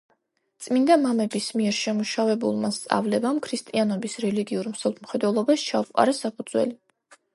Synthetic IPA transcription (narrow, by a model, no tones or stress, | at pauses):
t̪sʼmind̪amamɛbismiɛɾʃɛmuʃavɛbṵlˠmast̪sʼa̰vlɛbamkʰɾist̪ʼianɔbisɾɛliɡiuɾmsɛlˠt̪ʰm̩χɛd̪wɛlˠɔbast͡ʃʰauqʼa̰ɾɛsapʰud̪z̥wɛ̰li